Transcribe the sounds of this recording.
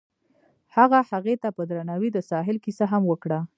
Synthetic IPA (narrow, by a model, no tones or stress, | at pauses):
haɣahaɣet̪apəd̪ɾanɑwid̪əsɑɦɪlkisaɦamwəkɽa